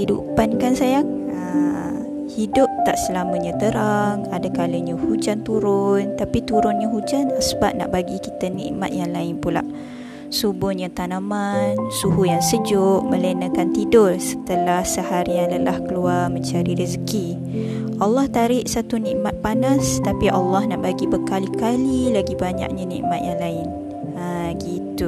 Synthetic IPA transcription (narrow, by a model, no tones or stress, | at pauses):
hidṵpankansajaŋ | ə | hidʊp̚t̪aʔsəlaməɲãt̪əɾaŋadakaləɲəhud͡ʒant̪uɾʊnt̪apit̪uɾʊnɲaɦud͡ʒanasəbaʔ̚na̰ʔbaɡikit̪anḭʔma̰t̪̚jaŋlaɪnpula̰ʔ | subʊhɲat̪anamansuɦujaŋsəd͡ʒʊʔmə̃lenəkant̪idʊrsə̥t̪əlahsəhaɾijaŋləlahkəluarməɲt͡ʃaɾiɾizəki | ʔalːɑht̪aɾɪʔsat̪uniʔmat̪̚panast̪apiʔalːɑhnaʔbaɡibəkalikalilaɡibaɲa̰ʔ̚ɲanḭ̃ʔmat̪̚jaŋlaɪn | ə | ɡit̪u